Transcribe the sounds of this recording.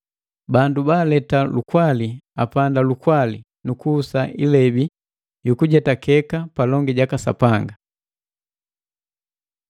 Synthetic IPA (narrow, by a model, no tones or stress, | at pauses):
bandubaːlɛtalukwalia̰pandalukwali | nukuːsaʔilɛbi | jukuɟɛtakɛkapalɔŋɡɛɟakasa̰paŋɡa